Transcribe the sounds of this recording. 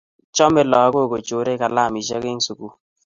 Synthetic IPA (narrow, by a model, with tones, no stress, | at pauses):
t͡ʃɔ˦mɪ˦lɔ˨a˦ko˦˨ko˨t͡ʃo˨˦ɾe˦ka˨la˦˨mi˨ʃə˦ke˦ŋ˦su˨ku˦